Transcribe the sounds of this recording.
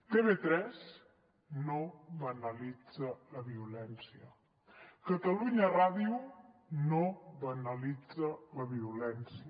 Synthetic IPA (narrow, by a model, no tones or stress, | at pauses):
t̪eβet̪ɾɛz | noβənəlid͡zələβiulɛnsiə | kət̪əluɲəraðiu | noβənəlid͡zələβiulɛnsi